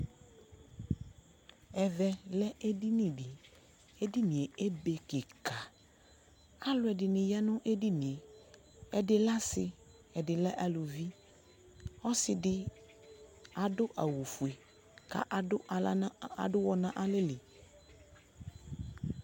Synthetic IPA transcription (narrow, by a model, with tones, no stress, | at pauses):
ɛ˨vɛ˨lɛ˦ʔe˦di˦nĩ˨ɖɪ˨ | e˦di˦nĩ˨e˨e˦be˨ke˨ka˨ | a˦lʊ˨˦ɛ˨dɪ˨nɪ̃˨ja˦nʊ̃˦ʔe˦di˦nĩ˨e˨ | ɛ˨dɪ˨la˦sɪ˨ | ɛ˨dɪ˨lɛ˦ʔa˨lʊ˨vi˦ | ɔ˦sɪ˨dɪ˦ | a˨dʊ˦ʔa̰˨wu˨fu˨e˨ | ka̰˨ʔʊ˦˨˦a̰˨dʊ˦wɔ˨nã˦ʔa˨lɪ˦lɪ˨